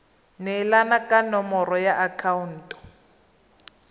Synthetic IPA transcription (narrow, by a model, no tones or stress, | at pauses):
nɛlanakʼanɔmɔrɔjaʔakʰaun̩ːtʼɔ̥